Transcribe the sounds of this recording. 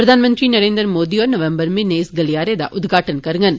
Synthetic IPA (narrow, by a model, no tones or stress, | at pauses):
pɾɐd̪ʱaːnɐmɐnd̪rinɐɾeːnd̪ɾɐɾmoːd̪ijoːɾnɐʋɐmbɐɾmineːsɡɐlɪjaːɾed̪a̰ːʔʊd̪ɡaːʈːɐnkɐɾɯŋɡɐn